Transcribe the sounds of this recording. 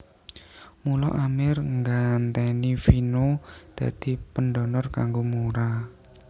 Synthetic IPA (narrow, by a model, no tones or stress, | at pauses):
mulɔ̰ʔamɪrŋɡant̪ɛnifinod̪̥a̤d̪̥i̤pəndɔnɔrkaŋɡomuɾa